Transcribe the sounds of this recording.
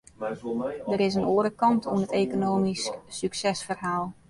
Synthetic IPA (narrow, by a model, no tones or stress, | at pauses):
dəɾɪs̬ənoəɾəkɑntʰuənɦəteːkonoːmisksyksɛsfərɦaːlˠ